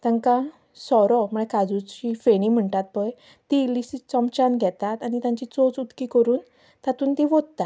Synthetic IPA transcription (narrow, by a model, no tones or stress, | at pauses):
t̪ãŋkã | sɔɾɔm̤əɭekad͡zut͡ɕifeɽim̤əɳt̪at̪̚pəj | t̪ilisit͡səmt͡ɕanɡʱɛt̪at̪aɽ̃it̪jãɲt͡ɕit͡sot͡sut̪kikəɾuːn | t̪at̪uːnt̪iʋod̪̚t̪a